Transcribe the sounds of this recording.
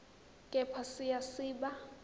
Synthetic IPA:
kʼɛpʰasijasiːɓa

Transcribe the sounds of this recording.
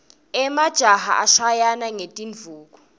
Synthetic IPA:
ɛmad̥ʒ̥ʱaha̰ʔaʃajanaŋetʼiɱvʱuːk̬ʼɔ

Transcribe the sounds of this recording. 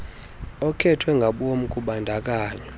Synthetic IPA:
ɔkʰɛtʰwɛŋɡʱaɓom̩kʼuɓandʱak̬ʼaːɲɔ

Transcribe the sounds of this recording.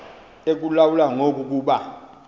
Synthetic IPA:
ek̬ulawulaŋok̬ʼuk̬ʼuːɓa

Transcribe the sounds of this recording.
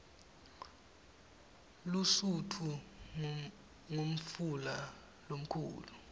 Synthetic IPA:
lusutʰu | ŋom̩fula | lom̩kʰṵːlu

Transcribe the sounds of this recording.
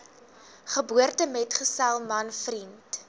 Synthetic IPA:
χəbuərtəmɛtχəsælˠmɐnfrint

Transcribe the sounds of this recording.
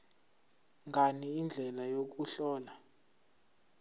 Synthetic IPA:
ŋɡaniind͡ɮʱɛlajok̬uɬɔːla

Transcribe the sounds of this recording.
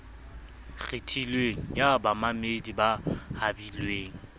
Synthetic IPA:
ɣetʰilweŋ̩jabamamedibahabilweːŋ̩

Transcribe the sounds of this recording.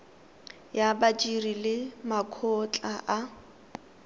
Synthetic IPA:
jabat͡ʃʼirilɪmakʰɔt͡ɬʼaʔa

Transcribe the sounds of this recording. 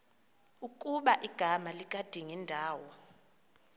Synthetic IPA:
ukʼuɓaʔiɡ̥ʱamalik̬ʼad̥ʱiŋɛndʱaːwɔ

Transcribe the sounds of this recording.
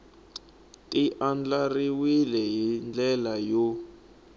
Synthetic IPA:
tʼiʔand͡ɮariwilɛɦind͡ɮɛlajo

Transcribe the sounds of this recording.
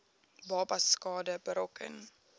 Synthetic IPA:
bɑːpɐskɑːdəbəɾɔkʰə̰n

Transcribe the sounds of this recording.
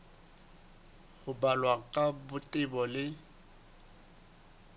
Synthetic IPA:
ɣʊbalwaŋ̩kʼabʊtʼɪbɔlɪ

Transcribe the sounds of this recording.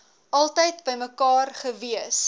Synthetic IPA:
ʔɐlˠtəjtbəjməkɑːrχəviəs

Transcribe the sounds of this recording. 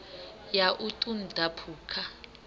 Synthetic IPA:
jaʔutʼundʱapʰuːkʰa

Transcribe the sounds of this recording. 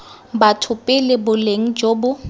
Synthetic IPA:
batʰʊpʼɪlɪbʊleŋ̩d͡ʒoːbʊ

